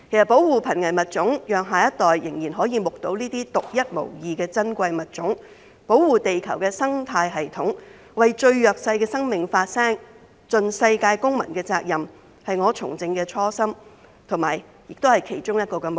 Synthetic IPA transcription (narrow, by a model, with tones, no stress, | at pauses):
kʰe˨˩jsɐ˨t̚po˨˥wwuː˨pʰɐ˨˩nŋɐ˨˩jmɐ˨˩t̚t͡sʊ˨˥ŋjœː˨ŋɦaː˨jɐ˥t̚t̪ɔː˨˩jːɪ˨˩ŋjiː˨˩nɦɔː˨˥jiː˨˧mʊ˨k̚t̪o˨˥wniː˥t̪iː˥t̪ʊ˨k̚jɐ˥t̚mo̰˨˩wjiː˨kɛː˧t͡sɐ˥nkʷɐ˧jmɐ˨t̚t͡sʊ˨˥ŋ | po˨˥wwuː˨t̪e˨jkʰɐ˨˩wkɛː˧sɐ˥ŋt̪ʰaː˧jɦɐ˨jt̪ʰʊ˨˥ŋ | wɐ˨jt͡ʃɵ˧ɥjœː˨k̚sɐ˧jkɛː˧sɐ˥ŋmɪ˨ŋfaː˧t̚sɛː˥ŋ | t͡sɵ˨nsɐ˧jkaː˧jkʊ˥ŋmɐ̰˨˩nkɛː˧t͡saː˧k̚jɐ˨m | hɐ˨jŋɔː˨˧t͡sʰʊ̰˨˩ŋt͡sɪ˧ŋkɛː˧t͡sʰɔː˥sɐ˥m | t̪ʰʊ˨˩ma̰ː˨˩j | jɪ˨k̚t̪o˥whɐ˨jkʰe˨˩jt͡sʊ˥ŋjɐ˥t̚kɔː˧kɛ˧m˨